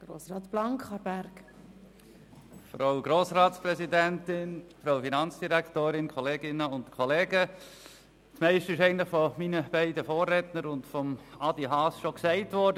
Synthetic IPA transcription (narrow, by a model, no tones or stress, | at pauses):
ɡ̥ɾoːsɾɑːtplɑŋkχɑɾb̥æɾk | fɾɑʊɡɾoːsɾɑːtspɾɛsidæntɪnfɾaʊfinɑnt͡sd̥iɾækʰtoːɾɪnkʰɔleːɡɪnəʊntkʰɔleːɡə | tmɛɪʃtəɪʃɛɪɡəntlɪχfɔminəb̥æɪdəfoːrːɛtnəɾʊndfɔmɑd̥iɦɑːsʃɔksæɪtʋɔːɾdə